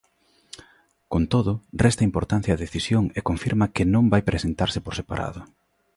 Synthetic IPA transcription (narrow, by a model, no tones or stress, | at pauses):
kont̪oðʊrɛst̪ɐimpoɾt̪an̟θjɐːðeθisjoŋekoɱfiɾmɐkɪnõmbajpɾʔesent̪aɾsɪpoɾsepa̰ɾʔa̰ðʊ